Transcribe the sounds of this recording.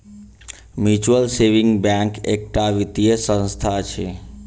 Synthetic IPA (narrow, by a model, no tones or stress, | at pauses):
mjut͡ʃuəlseʋĩŋɡbãkek̚ʈaʋit̪ijəsə̃nst̪ʰat͡ʃʰe